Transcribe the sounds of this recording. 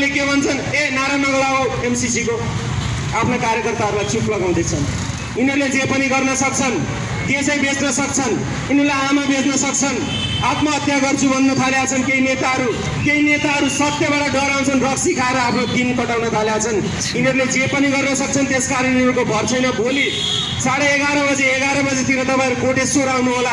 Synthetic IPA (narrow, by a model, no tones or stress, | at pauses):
lekebʱʌnt͡sʰʌnenaɾanʌɡʌɾaoemsisiko | apʰnakaɾjʌkʌrt̪aɦʌɾulajt͡suklʌɡaw̃d̪et͡sʰʌn | inʌɾuled͡zepʌniɡʌrnʌsʌk̚t͡sʰʌn | d̪esʌjbesnʌsʌk̚t͡sʰʌn | inelajɦamabed͡znʌsʌk̚t͡sʰʌn | at̪maʌt̪jaɡʌrt͡sʰubʱʌnːut̪ʰaljat͡sʰʌnkeinet̪aɦʌɾu | keinet̪aɦʌɾusʌt̪jʌbaɽaɖʌɾaw̃t͡sʰʌnrʌksikʰaeɾʌapʰnod̪inkʌʈawnʌt̪ʰaljat͡sʰʌn | inʌɾuled͡zepʌniɡʌrnʌsʌk̚t͡sʰʌnt̪eskaɾinierkobʱʌrt͡sʰʌjnʌboli | t͡saɽeːɡaɾʌbʌd͡zeːɡaɾʌbʌd͡zet̪ʰiɾʌt̪ʌpãĩɾukoʈesoɾawnuɦola